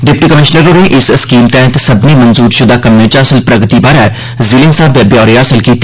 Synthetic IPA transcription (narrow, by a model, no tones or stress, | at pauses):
ɖɪp̚ʈikəmɪʃnəɾõneʔɪsəskiːmt̪ɛ̃ɦt̪sɐbnemɐ̃nzuːɾʃʊd̪ʱaːkɐmːẽt͡ʃaːsəlpɾɐɡt̪ibaːɾa | zilẽːnsaːbjɐbjaːɾeaːsəlkiːt̪ː